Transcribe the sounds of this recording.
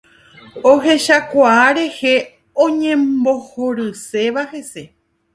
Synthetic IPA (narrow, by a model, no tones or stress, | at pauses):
oɦe̞ʃakʷaaɾe̞he̞ | õɲẽ̞mbo̞hoɾɨse̞ʋahe̞se̞